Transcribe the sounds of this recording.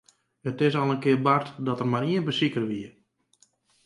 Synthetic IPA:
hətɪsɔlˠənkɪərbartdɔtərmaɾiənbəsikərʋiə

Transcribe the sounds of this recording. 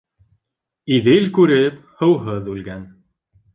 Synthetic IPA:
iðɘlkʉɾɘp | hɤ̆wɦɤðʉlɡæn

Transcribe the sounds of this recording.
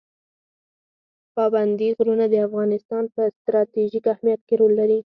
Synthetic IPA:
pɑband̪iɣɾunad̪əafɣɑnɪst̪ɑnpəst̪ɾɑt̪iʒikahmijat̪̚keɾolːaɾi

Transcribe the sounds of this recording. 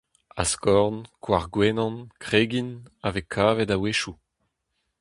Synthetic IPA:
askɔʁnkʰwaʁɡwɛnɑ̃nkʁeːɡinavekʰaːvɛdaweʃu

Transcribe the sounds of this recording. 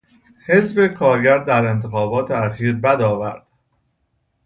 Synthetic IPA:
he̞zbe̞kʰɒːɾɡɟæɾd̪d̪æɾe̞nt̪ʰe̞xɒːbɒːt̪ʰeæxiːɾbæd̪ɒːvæɾd̪̥

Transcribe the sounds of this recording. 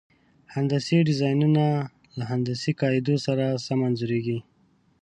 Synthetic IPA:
hand̪asiɖɪzɑjnuna | laɦand̪asikɑjɪd̪osaɾasamanzuɾeɡi

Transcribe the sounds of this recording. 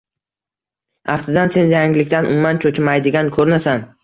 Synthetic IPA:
aft̪ʰɪd̪anse̞njaŋlɪkʲt̪anʔʊ̰mːant͡ʃʰot͡ʃʰɪmajd̪ɪɡʲankʰɵɾnasan

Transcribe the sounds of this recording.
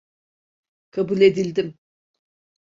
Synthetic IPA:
kʰabulʲe̞d̪ilʲd̪im

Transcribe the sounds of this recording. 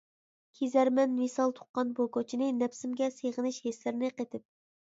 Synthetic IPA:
kʲʰezæɾmɛnvisɑlˠt̪ʰʊ̥qːɑnbokʰot͡ʃʰinɨnɛpsɪmɡʲɛseʁənɪʃheslɪɾnɪqet̪ʰɪp̚

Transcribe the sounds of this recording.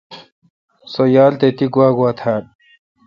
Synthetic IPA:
sojaːlt̪et̪iɡuaːɡuat̪ʰaːn

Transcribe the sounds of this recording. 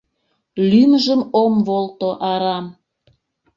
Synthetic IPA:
lymʒəmomβolˠt̪oʔɑɾɑm

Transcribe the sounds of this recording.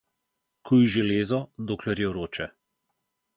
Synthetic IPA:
kʰujiʒɛleːzɔd̪oːklɛɾjɛɾoːt͡ʃɛ

